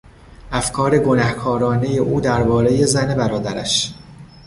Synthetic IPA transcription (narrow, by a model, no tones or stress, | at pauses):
ʔæfkʰɒːɾe̞ɡo̞næhkʰɒːɾɒːne̞je̞ʔuːd̪æɾbɒːɾe̞je̞zænebæɾɒːd̪æɾæ̰ʃ